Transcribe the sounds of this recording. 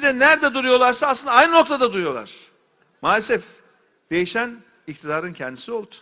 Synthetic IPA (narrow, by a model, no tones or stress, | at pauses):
id̪ɛnæɾd̪ɛd̪uɾujo̞lˠaɾsaːslˠɯnd̪aajnɯno̞k̚t̪ʰad̪ad̪uɾujo̞lˠa̰ɾ̥ | maːlʲɛsɛf | d̪̥e̞jiʃæn | ict̪ʰid̪aːɾɯncʰɛnd̪isio̞lˠut̪